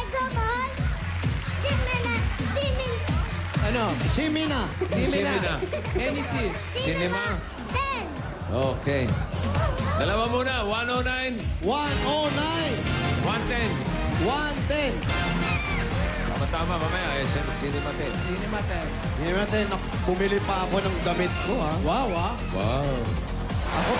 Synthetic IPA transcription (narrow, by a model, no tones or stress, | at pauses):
ɡomɔn | simɛnasimi | anosiminasisnminaɛnisi | ssinɛma | t̪ɛn | oke | d̪ɐlawamunawanonajnwanonajnwant̪ɛn | want̪ɛn | t̪a̰mɐt̪aːmamamajajɐsanʊŋsinɛmat̪ɛsinɛmat̪ɛn | sinɛmat̪ɛnɐ | bʊmɪlɪpɐɐko̞nɐŋɡɐmɪt̪̚kohawawa | waw | ʔɐ̰ko